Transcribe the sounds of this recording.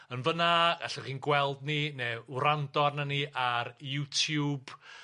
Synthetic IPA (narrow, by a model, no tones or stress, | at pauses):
ənvənaa̰ɬaχiːnɡwɛlˠdninewɾandɔrnaniʔaɾjutʰjub̥